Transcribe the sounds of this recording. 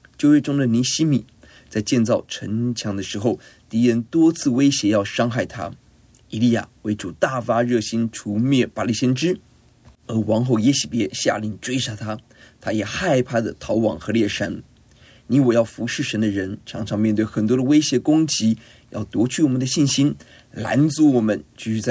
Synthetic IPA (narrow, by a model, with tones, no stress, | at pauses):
t͡ɕjo˥˧ʊjɛ˥˩ʈ͡ʂʊ˥ŋd̪ə˨ni˧˥ɕi˥mi˨˩˦ | t͡sa˥˧ɪt͡ɕjɛ˥˧nt͡sɑ˥˩ʊʈ͡ʂʰə˧˥ŋt͡ɕʰjɑ˧˥ŋd̪ə˧ʂɻ̩˧˥xo˥˧ʊt̪i˧˥ɻə˧˥nt̪wɔ˥t͡sʰɹ̩˥˩we˥ɪɕjɛ˧˥jɑ˥˩ʊʂɑ˥ŋxa˥˩ɪt̪ʰa̰˥ | i˧˩li˥˩ja̰˨˩we˧˥ɪʈ͡ʂu˨˩t̪a˥˩fa˥ɻɤ˥˩ɕi˥nʈ͡ʂʰu˧˥mjɛ˥˩pa˨˩li˥˩ɕjɛ˥nʈ͡ʂɻ̩˥ | ə˧˥wɑ˧˥ŋxo˥˩ʊjɛ˧˥ɕi˨˩pjɛ˧˥ɕja̰˥˧li˥˩ŋʈ͡ʂwe˥ɪʂa˥˩t̪ʰa˥ | t̪ʰa˥jɛ˨˩xa˥˧ɪpʰa˥˩d̪ə˩t̪ʰɑ˧˥ʊwɑ̰˨˩ŋxɤ˧˥ljɛ˥˩ʂa˧˥n | ni˧˥wɔ˨˩jɑ˥˩ʊfu˧˥ʂɻ̩˥˩ʂə˧˥nd̪ə˧ɻə˧˥nʈ͡ʂʰɑ˧˥ŋʈ͡ʂʰɑ˧˥ŋmjnt̪we˥˩ɪxə˨˩nt̪wɔ˥d̪ə˧we˥ɪɕjɛ˧˥kʊ˥ŋt͡ɕi˧˥ | jɑ̰˥˩ʊt̪wɔ˧˥t͡ɕʰy˥˩wɔ˨˩mə˦nd̪ə˧ɕi˥˩nɕi˥n | la̰˧˥nt͡su˧˥wɔ˨˩mə˧˦nt͡ɕy˥˧ɕy˥˧t͡sa˥˩